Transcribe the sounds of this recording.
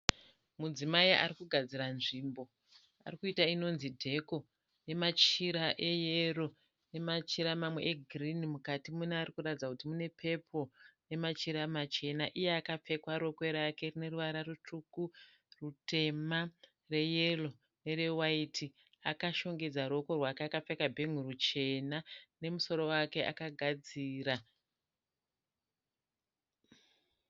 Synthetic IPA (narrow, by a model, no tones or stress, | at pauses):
mud͡zimaia̰rikuɡʱad͡ziɾanʐiːmbo̞ | a̰rikuitaino̞nzidʱe̞ko̞ | ne̞mat͡ʃiɾaʔe̞jero̞ | ne̞mat͡ʃiɾamamwe̞ʔeɡʱrinimukatimunearikuratid͡zakutimune̞pʰe̞pʰo̞ne̞mat͡ʃiɾamat͡ʃe̞naʔijeakap͡fe̞kwaɾo̞kwe̞ɾake̞rine̞ruʋaɾarutʰuku | rute̞ma | re̞jelo̞ | ne̞rewaitʰi | akaʃo̞ŋɡe̞d͡zaɾuoko̞rwakeakap͡fekabʱeŋ̤uɾut͡ʃe̞nane̞muso̞ɾo̞wake̞ʔa̰kaɡʱad͡ziːra